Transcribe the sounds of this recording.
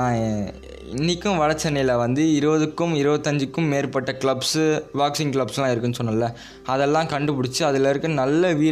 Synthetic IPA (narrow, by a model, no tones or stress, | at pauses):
ãː | ɪ̰nːɪkːɯ̃ʋɐɭɐt͡ʃːɛnɐjɪlɐʋɐnd̪ɯɪɾɯʋɐðɯkːɯmɪɾɯʋɐt̪ːɐɲd͡ʒɯkːɯmːeːɾpɐʈːɐkɪɭɐbsʋaːksɪŋkɭɐbslãːɪɾɯkːɯnːɯsɔnːɐlːɐ | ɐðɛlːãːkɐɳɖɯpʊɽɪt͡ʃːɯɐðɪlɐɾɯkːɯnɐlːɐʋiːɾ